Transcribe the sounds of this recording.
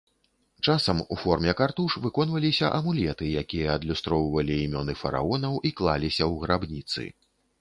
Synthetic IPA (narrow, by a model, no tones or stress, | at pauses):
t͡ʂasɐmufɔrmʲɛkart̪uʂvɨkɔnvɐlʲisʲɐʔɐmulʲɛt̪ɨjakʲijɐːd̪lʲust̪ɾɔwvɐlʲiːmʲɔnɨfɐɾa̰ɔnɐwʔiklˠalʲisʲɐwɣɾabnʲit̪sɨ̰